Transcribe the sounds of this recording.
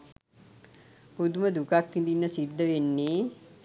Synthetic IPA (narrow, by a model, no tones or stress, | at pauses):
pud̪uməd̪ukakːind̪inːəsid̪ːəʋenːeː